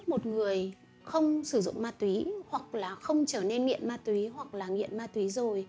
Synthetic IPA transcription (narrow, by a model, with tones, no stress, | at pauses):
mo˨˩t̚ŋɨ˨˩əj | xə˧wŋ͡msɨ˧˩zʊ̰˧˨ŋ͡mmaː˧˩t̪wi˨˦hwa˨˩k̚laː˨˩xə˧wŋ͡mt͡ɕəː˧˩ne˧nŋḭ˧˨ənmaː˧t̪wi˨˦ɦwa˨˩k̚laː˨˩ŋḭ˧˨ənmaː˧t̪wi˨˦zo˨˩j